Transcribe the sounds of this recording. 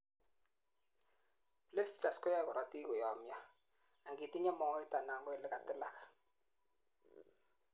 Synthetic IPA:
ple˦si˦t͡ʃa˨skɔ˦ja˦kʊ˨ɾa˦ti˦kʊ˨jɔ˨mja˦ | a˨ŋɡi˨ti˦ɲa˦mɔ˦ɔ˦ɪ˦ta˨na˨ŋɡɔ˦ɪ˨lɪ˦ka˨tɪ˦la˦kḁ˨

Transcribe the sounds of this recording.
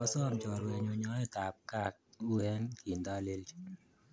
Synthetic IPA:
ɔ˦sɔ˦mt͡ʃɔ˨ɾwɛ˨ɲo˨ɲɔ˦ɛ˦ta˨p̚ka˦k̚u˦ɛ˦nki˨nd̪a˦lɪ˦lt͡ʃ

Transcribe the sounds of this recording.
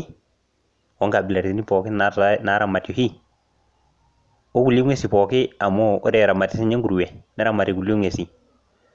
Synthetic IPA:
wɔ˦ŋɡa˨bi˨la˨ɾtni˦pɔ˨ki˦na˦na˨˦ɾa˨ma˨tu˨hi˦ | o˦ɡu˨li˦ŋe˦si˨pɔ˨ki˦a˨mo˦o̰˦ɾe˦˨ɾa˨ma˨ti˦si˦ɲe˦ŋɡu˨ɾwe˨ne˦ɾa˦˨ma˨ɾi˨ɡu˨lŋe˨si˨

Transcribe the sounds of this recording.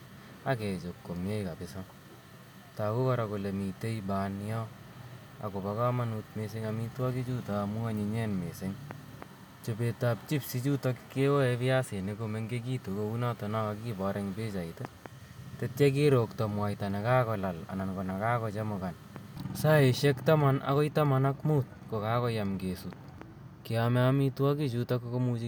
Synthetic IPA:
a˦kɛ˨t͡ʃo˨kːo˨mje˦jka˨pɪsɔ˦ | ta˨ko˦kɔ˦ɾa˨ko˨le˨mi˨te˦jbanjɔ˦ | a̰˨ko˨pa˨ka˦ma˦nutme˧s̬e˦ŋami˦twa˦ki˦t͡ʃu˦taːmʊ˦a˦ɲi˨ɲɛ˦nme˨se˦ŋ | t͡ʃobetap̚t͡ʃi˦psi˦t͡ʃu˦tɔ˦kike˦wɔ˦ɛ˧pi˦a˦se˨ne˨kome˦ŋɡe˦k̬i˦to˨ko˦u˦na˦tɔ˨na˦ka˦ki˦bɔ˨ɾʔɛ˦ŋbe˦t͡ʃa˨ite | tett͡ʃe˦k̬eɾo˨ktɔ˨mwa˨jtane˨ka˦kɔ˨la˨la̰˨na˨nkɔ˨na˨kaːkɔt͡ʃe˦mʊka˨n | sae˨ʃekta˦ma˦nʔa̰˦kɔ˦jta˦manakmuːt̚ko˨kaːkɔ˦jamɡesut̚ | kiamɛ˦amitwaki˦t͡ʃuta˦koko˦mut͡ʃi

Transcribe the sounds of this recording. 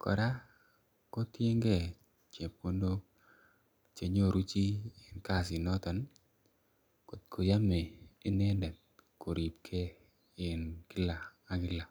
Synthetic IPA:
kɔ̰˨ɾa˦ | ko˦tje˦ŋɡe˦˨ | t͡ʃe˨p̚o˦ndo˦ | t͡ʃe˨ɲo˦˨ɾu˦t͡ʃi˦ɪ˨nka˦˨sɪ˨nɔ˦t̪ɔ˨n | ko˨t̪̚kʰo˨ja˦me˨e˦ne˦ndɛ˨t̚ko˨ɾi˨p̚kʰe˦˨ | nkɪ˦laː˨˦ | ɡɪ˦la˨

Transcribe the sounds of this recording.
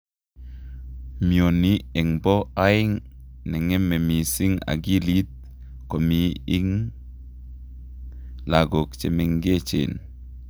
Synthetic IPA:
mjo˨ni˨e˨ŋbɔ˦a˦i˦ŋ | nɛ˨ŋe˦me˨mi˨si˦ŋa̰˨ɡi˦li˦t̪̚ | ko˨mi˨˦i˦ŋ | la˨ɡo˨kt͡ʃe˨me˦ŋɡe˦t͡ʃḛ˨n

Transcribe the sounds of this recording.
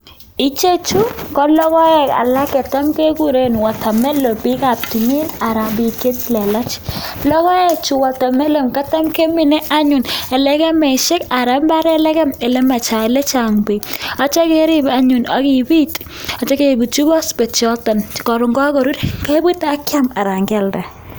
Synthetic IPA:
i˦t͡ʃe˦t͡ʃu˦kɔ˦lɔ˦kɔ˦ɛ˦˨ka̰˨la˦kɛ˨ta˦mke˦ku˦ɾe˦nwa˨ta˨mɛ˦lo˨pi˦ka˨p̚ti˨mi˦na˨ɾa˨mbi˨ke˦tlɛ˨la˦t͡ʃlɔ˦kɔ˦ɛ˦t͡ʃu˨wa˨ta˨mɛ˦lo˨mka˦ta˦mke˦mi˨nɛ˦ʔa˦ɲʊ˨nɛ˨lɛ˦kɛ˦mɛ˨ʃɪ˦ka˨ɾa˨˦mba˦ɾɛ˦lɛ˦kɛ˦mɛ˨lɛ˦ma˨t͡ʃa˨lɛ˦t͡ʃa˨ŋbe˨a˨t͡ʃa˦ke˦ɾɪ˦ba˦ɲu˨na˨ki˨bi˦t | a˨t͡ʃɛ˦ke˦˨bu˨t͡ʃu˦bɔ˦spɛ˨t͡ʃɔ˦tɔ˨n˨kɔ˨ɾʊ˨ŋɡɔ˦kɔ˨ɾu˦ɾkɛ˦bi˦ta˦kja˦ma˨ɾa˨ŋɡɛ˦˨lbɛ˨

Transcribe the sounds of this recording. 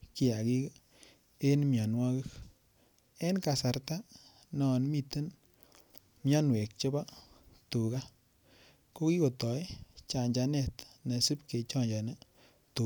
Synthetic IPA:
ki˦˧a˨ɡi˦ɡ | e˦nmja˨nwa˦ɡɨ˦k | e˦nka˨sa˨ɾt̪a˦ | nɔ˨nmi˧t̪ɨ˦n | mja˦nwe˨k̚t͡ʃo˦ba˦t̪u˨ɡa˦ | ko˦ki˦ko˨t̪ɔ˨jt͡ʃa˨ɲd͡ʒa˧nɛ˨t̪na˨sɨ˦pke˨t͡ʃɔ˦˨ɲd͡ʒa˨na˦ | t̪u˨

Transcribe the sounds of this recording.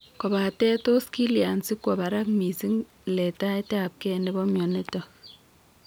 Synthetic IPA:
kɔ˨ba˨tɛ˦to˦ski˦lja˨nsi˦kwɔ˨ba˨ɾa˦kmi˨si˦ŋ | lɛ˨ta˦tɛ˦a˨p̚kɛ˦nɛ˦bɔ˦mjɔ˨ne˦tɔ˨

